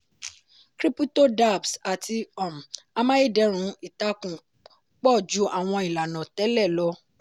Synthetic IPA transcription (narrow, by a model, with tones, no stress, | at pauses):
kɾi˦pu˦to˦da˦˨bsa˨tʰi˧ɔ˨m˨a˧mã˦i˦˨dɛ˧˦ɾ̃ũ˨˦i˦˨ta˦kũ˨ | k͡pɔ˦˨d͡ʒu˨˦ʔa˦˨w̃ɔ̃˧i˨la˨nã˨tɛ˨˦lɛ˦˨lɔ˧˦